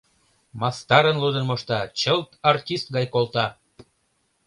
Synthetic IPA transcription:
mɑst̪ɑɾənlud̪ənmoʃt̪ɑt͡ɕəlt̪ɑrtʲist̪̚ɡɑjkolt̪ɑ

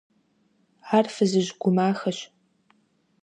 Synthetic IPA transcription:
ʕarfɨzɨʑɡʷʊmaːxɐɕ

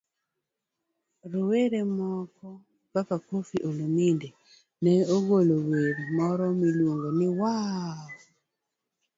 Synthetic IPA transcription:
ɾoweɾemɔkɔ | papakofiʔolominde | nɛoɡoloweɾmɔɾɔmilwoŋɡonɪwa

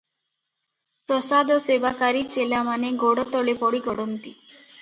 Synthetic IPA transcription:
pɾɔsad̪ʱɔsebakaɾit͡ʃelamaneɡɔɽɔt̪ɔɭepɔɽikɔɽɔnt̪i

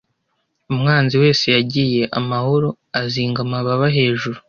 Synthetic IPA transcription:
umŋaːnziwe̞ːse̞jaɟije̞ʔamaho̞ɾo | aziːŋɡamaβaβaɦe̞ːʒuɾu

